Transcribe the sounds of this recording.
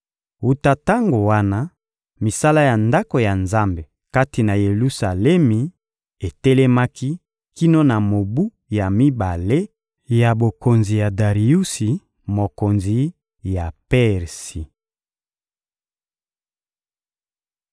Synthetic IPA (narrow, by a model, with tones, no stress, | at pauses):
u˨ta˦ta˦ŋɡo˨wa˦na˦ | mi˨sa˦la˦ja˨nda˦ko˨ja˨nza˦mbe˨ | ka˦ti˨na˨je˨lu˦sa˨lɛ˦mi˨ | e˨tɛ˦lɛ˦ma˦ki˦ | ki˦no˦na˨mo˨bu˦ | ja˨mi˦ba˨le˦ | ja˨bo˨ko˨nzi˨ja˨da˨ʁi˨u˦si˨ | mo˨ko˨nzi˨ | ja˨pɛ˦ʁsi˨